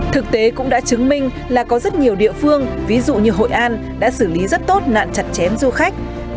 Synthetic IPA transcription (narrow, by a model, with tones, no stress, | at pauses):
t̪ʰɨ˨˩k̚t̪e˨˦kʊ̰˧˥ŋ͡mɗa̰ː˧˥t͡ɕɨ˨˦ŋmï˧ŋ̟ | laː˨˩kɔ˨˦zə˦˥t̚ɲi˨˩əwɗḭ˧˨əfɨ˧əŋvi˨˦zṵ˧˨ɲɨ˧ɦo̰˧˨jʔaː˧n | ɗa̰ː˧˥sɨː˧˩li˨˦zə˦˥t̚t̪o˦˥t̚na̰ː˧˨nt͡ɕa˨˩t̚t͡ɕɛ˨˦mzu˧xa˦˥jk̟̚